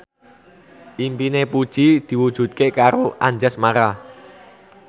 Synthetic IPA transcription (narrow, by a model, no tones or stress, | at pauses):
ʔimpinepud̥ʒ̥id̪̥i̤wud̥ʒ̥ṳt̪̚kekaɾoʔaɲd͡ʒasmaɾa